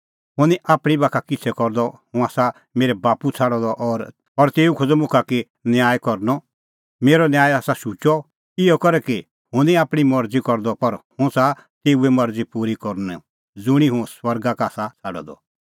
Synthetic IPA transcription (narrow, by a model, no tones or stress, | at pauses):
ɦʊ̃niʔaːpɽ̃ibaːkʰakɪt͡sʰɛkɔɾd̪ɔhũaːsa | meːɾɛbaːput͡sʰaɽɔd̪ɔʔɔːɾ | ɔɾt̪eːukʰod͡zɔmʊkʰaki | njaːjkɔɾnɔ | meːɾɔnjaːjaːsaʃut͡ʃɔ | ɪjɔkɔɾɛki | hʊ̃nĩaːpɽ̃imɔɾd͡zikɔɾd̪ɔpɐɾhʊ̃sa | t̪eːuɛmɐɾd͡zipuːɾikɔɾnɛ | d͡zʊɽ̃iɦũswɐɾɡakaːsat͡sʰaɽɔ̰d̪ɔ̰